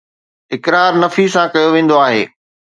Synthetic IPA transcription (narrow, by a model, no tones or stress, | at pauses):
ɪkɾaːɾnɐfisãkɐjoʋẽːn̆d̪oaːɦeː